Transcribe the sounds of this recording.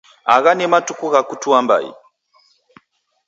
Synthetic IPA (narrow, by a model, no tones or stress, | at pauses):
a̰ɣanɛmatukuɣakutuamba̰ḭ